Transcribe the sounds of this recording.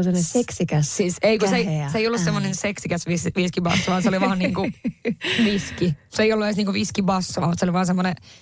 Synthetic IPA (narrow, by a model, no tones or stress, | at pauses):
seneseksikæssiːseikoseiseijolːussemːonẽnseksikæsʋisʋiskibɑ̰sːɑʋɑːnseoliʋɑːnniːŋku | ʋiskiseijolːuesniːŋkuʋiskibɑsːɑʋɑmut̪seoliʋɑːnsemːone